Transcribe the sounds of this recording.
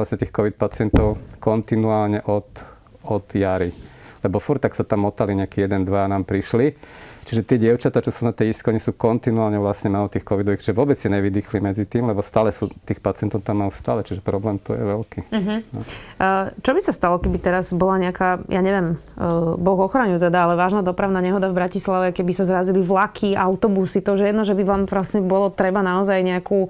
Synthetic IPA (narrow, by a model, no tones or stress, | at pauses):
lasɲɛt̪iːxkɔʋit̪̚pat͡sɪɛnt̪ɔʊkɔnt̪inuaːlɲɛʔɔt̪ | ɔd̪jaɾilɛbɔfuɾt̪aksat̪amːɔt̪aliɲɛakiːjɛd̪ɛnd̪ʋaanaːmpɾiʃlit͡ʃiʒɛt̪ɪɛɟɪɛʊt͡ʃat̪aːt͡ʃɔsuːnat̪ɛjiskɔɲɛsuːkɔnt̪inuaːlɲɛʋlasɲɛmalɔt̪iːxkɔʋid̪ɔʋixt͡ʃiʒɛʋɔbɛd͡zɛɲɛʋid̪ixlimɛd͡zit̪iːmlɛbɔst̪aːlɛsuːt̪iːxpat͡sɪɛnt̪ɔʊt̪amːajust̪aːlɛt͡ʃiʒɛpɾɔblɛːmt̪ɔ̰jɛ̰ʋɛlkiɦ̩nɔ | t͡ʃɔbisast̪alɔkɛbit̪ɛɾazbɔlaɲɛakaːjaɲɛʋjɛm | bɔɣɔxɾaɲut̪ɛd̪aalɛʋaːʒnad̪ɔpɾaʊnaɲɛɦɔd̪avbɾacislaʋɛkɛbisazɾaziliʋlakʰiaʊt̪ɔbusit̪ɔʒɛjɛd̪nɔʒɛbiʋaːmʋlasɲɛbɔlɔt̪ɾɛbanaɔzajɲɛaku